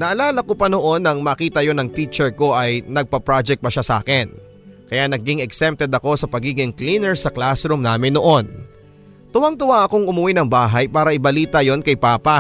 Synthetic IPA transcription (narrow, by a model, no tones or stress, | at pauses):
nɐʔɐlaːlɐkopɐno̞ʔo̞nɐŋmɐkiːt̪ɐjo̞nɐŋt̪iːt͡ʃɛɹko̞ʔɐjnɐɡ̚pɐpɹad͡ʒɛk̚t̪̚pɐʃasɐʔa̰ːkɛn | kɐjanɐɡɪŋɛksɛmp̚t̪ɛd̪ɐko̞sɐpɐɡiːɡɪŋkliːnɛɹsɐklasɾumnaːmɪnːoʔo̞n | t̪ʊwaŋt̪ʊwaʔɐko̞ŋʊmʊwinɐŋbaːɦɐjpaːɾɐʔɪbɐliːt̪ɐjo̞nkɐjpaːpɐ